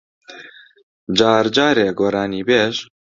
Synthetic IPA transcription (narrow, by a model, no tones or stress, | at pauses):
d͡ʒɑːɾd͡ʒɑːɾeːɡoːɾɑːniːbeːʒ